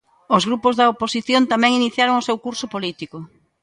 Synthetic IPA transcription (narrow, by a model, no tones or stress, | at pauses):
ozɣɾupozðɐoposiθjont̪amɛ̃ŋiniθjaɾoŋosewkuɾsʊpolit̪ikʊ